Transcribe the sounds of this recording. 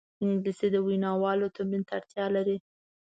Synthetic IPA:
ɪŋɡlised̪əwinɑwɑlot̪omint̪aɽt̪jɑlaɾi

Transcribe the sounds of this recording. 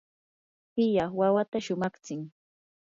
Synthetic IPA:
pɪjaχwawat̪aʃʊmɑχt͡sɪŋ

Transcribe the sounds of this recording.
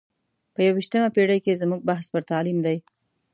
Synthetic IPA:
pəjawiʃt̪əmapeɽajkezmuɡ̚baɦspəɾt̪ɑlimd̪aj

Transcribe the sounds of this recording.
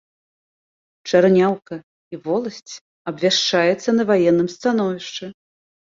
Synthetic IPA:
t͡ʂarnʲawkɐ | ivɔlˠɐsʲt͡sʲ | ɐbvʲaʂt͡ʂajɛt̪sːɐnɐvajɛnːɨmst̪an̪ɔvʲiʂt͡ʂɨ

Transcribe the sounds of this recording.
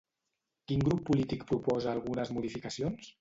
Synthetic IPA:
kiŋɡɾupːulit̪ikpɾupɔzəːlˠɣunəzmuðifikəsions

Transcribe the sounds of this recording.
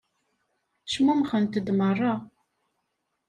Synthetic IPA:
ʃmumχənt̪əd̪mərˤːɑ

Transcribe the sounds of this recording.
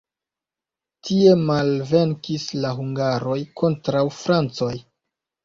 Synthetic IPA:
tʰie̞malve̞ŋkislaɦuŋɡaɾo̞jkʰo̞ntɾawfɾant͡so̞j

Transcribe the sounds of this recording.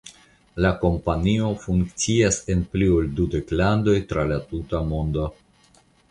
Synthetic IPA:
lako̞mpanio̞fuŋkt͡siase̞nplioldude̞klando̞jtɾalatutamo̞ndo̞

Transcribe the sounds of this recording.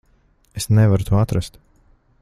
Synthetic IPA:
esnɛvaɾut̪ʰuɔat̪ɾast̪

